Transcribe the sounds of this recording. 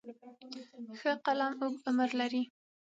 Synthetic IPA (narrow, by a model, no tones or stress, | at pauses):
xəqalamʊɡʊməɾlaɾi